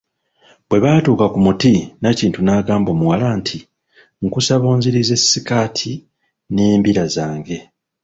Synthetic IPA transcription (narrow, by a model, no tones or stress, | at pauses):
bwe̞βaːtuːkakumutinaciːntunaːɡaːmbo̞ːmuwalaːntʰi | ŋkusaβo̞ːɲziɾize̞sːikaːtʰi | neːmbiɾazaːŋɡe̞